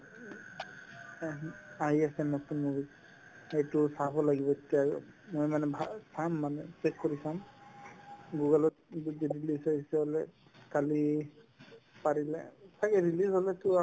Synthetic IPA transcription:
aɦiasɛmɔtʰunmubit | hejtusabɔlaɡibɔetija | mojmanɛbʱasʰamːanɛpek̚kɔɹisam | ɡuɡalɔt̚udidilisaisɛɦɔlɛ | kali | paɹilɛ̰sakɛɹilishɔlɛtua

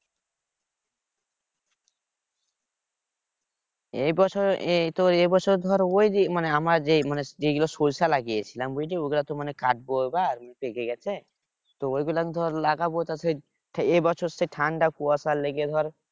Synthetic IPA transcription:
ebɔt͡ʃʰɔɾet̪oebɔt͡ʃʰɔɾd̪ʱɔɾojd̪imaneamaɾd͡ʒemaned͡ʒeɡulɔsolsalaɡiet͡ʃʰilambujɖioɡulat̪ɔmanekaʈ̚bobaɾmnpeɡeɡɛt͡ʃʰɛ | t̪ɔojɡulakd̪ʱɔɾlaɡabot̪ase | ʈʰebɔt͡ʃʰɔɾseʈʰaɳɖakuasaleɡed̪ʱɔɾ

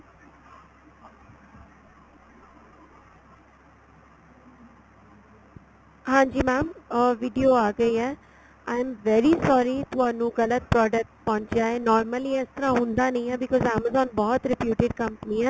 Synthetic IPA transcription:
ɦãːd͡ʒiːmãːmʋiɖijoaːɡəiɛ | ãɪmʋɛɾisɔːɾit̪uaːnũɡɐlət̪̚pɾɔːɖək̚ʈpɐ̃ɦʊ̃ɲt͡ʃaːenɔːɾməliɪst̪əɾãɦũːnd̪anɐĩɛbɪkɔːzaːməzɔ̃ːnbɔːɔt̪ɾɪpjuːʈɪɖ̚kɐ̃mpəniɛ

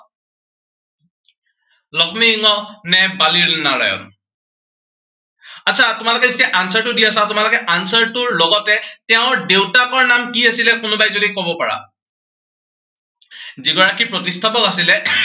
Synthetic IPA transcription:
lɔxʰmiːŋɔnɛbaliɹnaɹa̰jɔ̰m | atsʰatʊmalʊkɛzisɛʔansaɹtʊdiasatʊmalokɛʔansaɹtʊɹloɡɔtɛtɛʊ̃ɹdewtakɔɹnamkiasilɛkʊnʊbajzodikobɔpaɹa̰ | ziɡɔɹakipɹɔtistʰapɔkasilɛ

